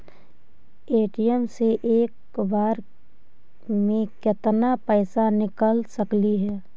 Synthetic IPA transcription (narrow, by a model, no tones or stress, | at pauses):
eːʈijəmseʔeːk | baːɾ | mẽkɪt̪napəɪsanɪkəlsəkliɦɛː